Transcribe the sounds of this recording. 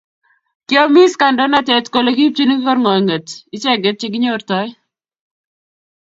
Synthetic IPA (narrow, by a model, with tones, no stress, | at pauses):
kɪ˦ɔ˦mi˦ska˨ndɔ˦na˦tɛ˨tko˨lo˨ki˦p̚t͡ʃi˦ni˦ki˦kɔ˦ɾŋɔ˨jŋə˨tɪ˦t͡ʃɛ˦ɡɪ˨˦t̚t͡ʃɪ˦ɡɪ˦ɲo˦rtɔ˦j